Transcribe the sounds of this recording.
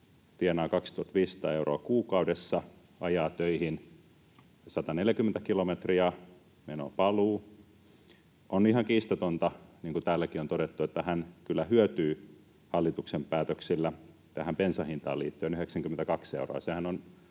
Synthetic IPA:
t̪ienɑːkɑkst̪uhɑt̪ʋiːsːɑ̥t̪ɑ̰ːeuro̰ɑkuːkɑudesːɑ | ʔɑjɑːt̪øihin | sɑt̪ɑneljækyment̪ækilomet̪riɑ | meno̰pɑluː | ʔonihɑŋkiːst̪ot̪ont̪ɑniːŋkut̪æːlːækiont̪oɾet̪ːuet̪ːæhænkylːæhyøt̪yː | hɑlːit̪uksempæːt̪øksilːæ | t̪æhæmpensɑhint̪ɑ̰ːlḭːt̪ːøːnyheksæŋkymːent̪ækɑksḛuro̰ɑ̰sehænon

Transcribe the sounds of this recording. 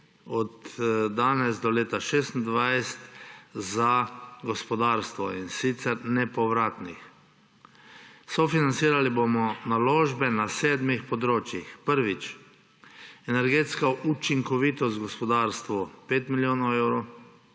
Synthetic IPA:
ɔt̪ːanɛzd̪ɔleːt̪aʃeːst̪n̩d̪ʋajst̪zaɡɔspɔd̪aːɾst̪ʋɔinsit̪sɛɾnɛpɔʋɾaːt̪nix | sɔfinant̪siːɾalibomɔnaloːʒbɛnaseːd̪mixpɔd̪ɾoːt͡ʃjixpəɾʋit͡ʃ | ɛnɛɾɡeːt̪skaʔut͡ʃiŋkɔʋit̪ɔst̪ɡɔspɔd̪aɾst̪ʋupeːt̪miljoːnɔɛwɾo

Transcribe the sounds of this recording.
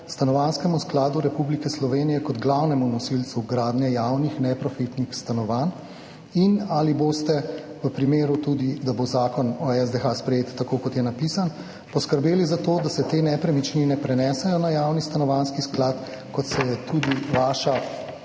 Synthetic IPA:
st̪anɔʋanskɛmusklaːd̪uɾɛpublikɛslɔʋeːnijɛkɔd̪ɡlawnɛmunɔsilt̪suɡɾaːd̪nɛjawnixnɛpɾɔfit̪nixst̪anɔʋan | inaliboːst̪ɛʋəpɾimeːɾut̪ud̪id̪abozaːkɔnɔɛzd̪exaspɾɛjeːt̪ːakokɔt̪jɛnapisan | pɔskəɾbeːlizat̪od̪asɛt̪eːnɛpɾɛmit͡ʃninɛpɾɛnɛːsɛjɔnajaːwnist̪anɔʋanskisklaːt̪ | kɔt̪sɛjɛt̪ʰud̪iʋaːʃa

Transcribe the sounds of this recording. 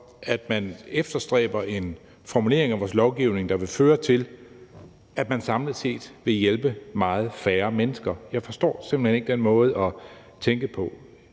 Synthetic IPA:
æd̥mænefd̥ɐsd̥ʁɛ̰ːb̥ɐe̝n | fɒmule̝ɐ̰eŋæʋɒ̰ːslɒʊɡ̥iʊne̝ŋd̥ɑ̈ʋe̝føːɐt͡sʰe̝l | ʔæ̥mænsɑ̈mləse̝̰ːd̥ʋe̝jelb̥əmɑ̈ːð̩ˠfæːɐmenəsɡ̥ɐjɑ̈ɪfɒ̽sd̥ɒ̰ːse̝mb̥l̩hene̝ɡ̥əd̥enmɔ̽ːð̞̩ˠɒ̽ | t͡sʰeŋɡ̥əpʰɒ̽

